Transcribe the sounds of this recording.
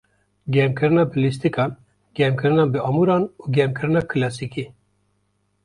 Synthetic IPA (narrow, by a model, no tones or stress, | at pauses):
ɡʲɛmkʰɨɾɨnɑːbɨlist̪ikɑːn | ɡ̥ɛmkʰɨɾɨnɑːbɨɑmuɾɑːnuɡɛmkʰɨɾɨnɑːkʰɨlɑsiki